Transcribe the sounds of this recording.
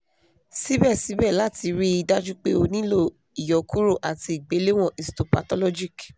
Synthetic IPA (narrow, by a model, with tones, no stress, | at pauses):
si˦bɛ˦˨si˨˦bɛ˦˨la˦ti˧˦ɾi˦i˧da˦d͡ʒu˦k͡pe˦o˧nĩ˦lo˦˨ | i˨jɔ˨ku˦ɾo˦˨ʔa˨ti˧i˨ɡ͡be˨˦le˦w̃ɔ̃˦˨ʔi˨sto˨pa̰˨tɔ˦lɔ˦d͡ʒi˦˨k